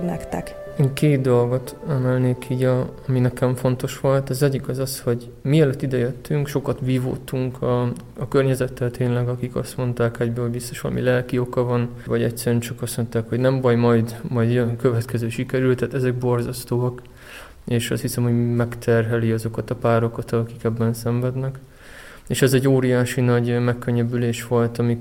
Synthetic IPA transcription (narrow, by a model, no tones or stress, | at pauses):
nɛkt̪ɛkkeːt̪̚d̪o̞lɡo̞t̪anɛlneːkʰiːɟɒɒminɛkɛɱfo̞nt̪o̞ʃʋo̞lt̪ɒzɛɟːikɒzɒsho̞ɟ | miɛløt̪ːid̪ɛjøt̪ʰːyŋkʃo̞kɒt̪ʋiːvo̰ːt̪ːuŋkʰɒɒkørɲɛzɛt̪ːɛlt̪ʰeːnlɛɡɒkikɒ̰st̪mo̞nt̪aːkɛɟbøːlhoɟbist̪oʃʋɒ̰lɒ̰mḭlɛlkio̞kɒvɒnvɒɟɛ̰ctsɛɾyɛnt͡ʃɒkɒso̞nt̪aːkho̞ɟnɛmbɒjmɒjd̪mɒjd̪nkøvɛt̪kɛzøːʃikɛɾylt̪ːɛt̪ɛzɛk̚bo̞rzɒst̪oːɒk | eːʃɒ̰st̪hisɛmho̞ɟmɛkt̪ʰɛrɦɛliɒzo̞kɒt̪ɒpaːɾo̞kɒt̪ɒkikɛbːɛnsɛɱvɛd̪nɛk | eːʃɛzɛɟːoːɾijaːʃinɒɟmɛkːøɲːɛbyleːʃʋo̞lt̪ɒmi